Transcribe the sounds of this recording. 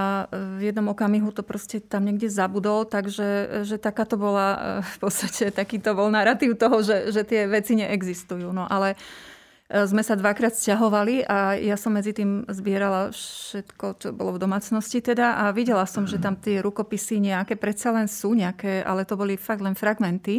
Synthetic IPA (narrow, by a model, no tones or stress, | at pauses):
avjɛd̪nɔmɔkamiɦut̪ɔpɾɔscɛt̪amɲɛɡɟɛzabud̪ɔlt̪aɡʒɛʒɛt̪akaːt̪ɔbɔlafpɔt̪st̪acɛt̪akiːt̪ɔbɔlnaɾat̪iʊt̪ɔɦɔʒɛʒɛt̪ɪɛʋɛt͡siɲɛʔɛɡzist̪ujuːnɔʔalɛ | zmɛsad̪ʋakɾaːt̪scaɦɔʋaliʔajasɔmːɛd͡zit̪iːmzbɪɛɾalafʃɛt̪kɔt͡ʃɔbɔlɔvd̪ɔmaːt͡snɔscit̪ɛd̪aʔaʋiɟɛlasɔmʒɛt̪amt̪ɪɛɾukɔpisiɲɛakɛːpɾɛt̪t͡salɛnsuːɲɛakɛːʔa̰lɛt̪ɔbɔlifaɡ̚d̪lɛnfɾaɡmɛnt̪i